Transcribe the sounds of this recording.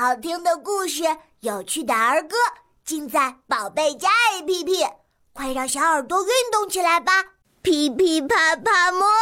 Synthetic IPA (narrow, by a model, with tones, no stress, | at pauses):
ɑ˨˩ʊt̪ʰi˥ŋd̪ə˨ku˥˧ʂ̬ɻ̩˥˧˩ | jo˨˩ʊt͡ɕʰy˥˩t̪a˨˩ə˞˧˥kɤ˥ | t͡ɕi˥˧nt͡sa˥˩ɪpɑ˨˩ʊpe˥˩ɪt͡ɕja˥i˧˩pʰi˥pʰi˥˩ | kwe˥˧ɪɻɑ˥˩ʊɕjɑ˧˥ʊə˞˨˩t̪wo˥y˥˧nt̪ʊ˥˩ŋt͡ɕʰi˨˩la˧˥ɪba˧ | pʰi˧˩pʰi˥˩pʰa˥˩pʰa˥˧˩mɔ˥